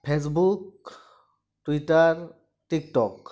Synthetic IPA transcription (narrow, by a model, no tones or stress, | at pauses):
pʰes̬buk | tuitaɹ | tik̚tɔk